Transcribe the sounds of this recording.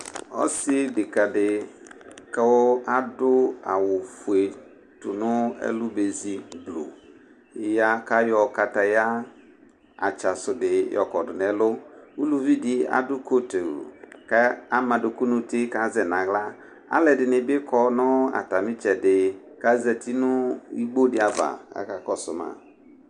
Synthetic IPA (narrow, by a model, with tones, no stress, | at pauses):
ɔ̰˦sɪ˦dɪ˨ka˨dɪ˨ | kɛ˦wɔ˦a˦dʊ˦a˨wʊ˨fʊ˨e˨ | tʊ˨nʊ̃˦ɛ̰˦lʊ˦be˨zi˨blo̰˨ | ja˦ka˦jɔ˨ka˨ta˨ja˦ | a̰˨t͡ʃa˨sʊ˨dɪ˨jɔ̰˨kɔ˨dʊ˨n˨ɛ˨lʊ˦u˦lu˨vi˦dɪ˦a̰˨dʊ˦ko˦to̰˨ka˦a˦ma˨dʊ˨ku˦nu˦tɪ˦ka˨˦zɛ˨na˨ɣla˦ | a̰˦lɛ˨dɪ˨nɪ˨bɪ˦kɔ˦nʊ˦a̰˨ta˨mɪ˦t͡ʃɛ˨dɪ˨ | ka˦zɛ˨ti˦nʊ˦i˦ɡ͡bo˦dɪ˦a˨va̰˨a̰˦ka˨kɔ˨sʊ̰˨ma̰˨